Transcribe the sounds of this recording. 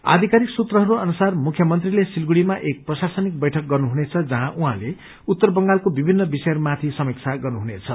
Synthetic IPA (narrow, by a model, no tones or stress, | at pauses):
a̰d̪ʱikaɾiksut̪rʌɦʌɾuʌnusarmukʰjʌmʌnt̪rilesilɡuɽimaʔek̚prʌsasʌnik̚bʌjʈʰʌk̚ɡʌrnuɦunet͡sʰʌd͡zʌɦãʔuɦã̰le | ut̪ːʌrbʌŋɡalkobibʱinːʌbisʌjʌmat̪ʰisʌmikt͡sʰaɡʌrnuɦunet͡sʰʌ